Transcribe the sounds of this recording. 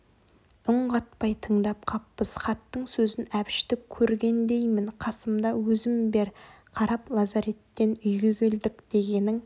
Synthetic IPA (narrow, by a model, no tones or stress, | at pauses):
ʊɴɢɑt̪pɑjt̪ʰəɴd̪ɑp̚qʰɑpːəsχɑt̪ːəɴsɵzɪnæpɪ̥ʃt̪ɪkʲʰːɵɾɡʲe̞nd̪e̞jmɪnqʰɑsəmd̪ɑwɵzɪmbe̞ɾ | qʰɑɾɑplˠɑzɑɾe̞t̪ːe̞nʏjɡʲeɡʲe̞ld̪ɪkd̪̥e̞ɡʲe̞nɪŋ